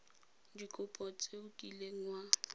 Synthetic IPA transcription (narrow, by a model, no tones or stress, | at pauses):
dikʼʊpʼɔt͡sʼeʊkʼileŋ̩wa